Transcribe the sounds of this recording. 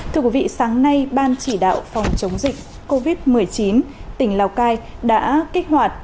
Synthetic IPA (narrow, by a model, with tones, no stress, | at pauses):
t̪ʰɨ˧əkwi˨˧˦vḭ˧˨saː˨˦ŋna˧jɓaː˧nt͡ɕi˧˩ɗa̰ː˧˨wfɔ˨˩wŋ͡mt͡ɕə˨˦wŋ͡mzï˨˩k̚ | ko˧vi˦˥t̚mɨ˨˩əjt͡ɕi˨˦nt̪ï˧˩ŋ̟laː˧˩wkaː˧jɗa̰ː˧˥kï˦˥k̟̚hwaː˨˩t̚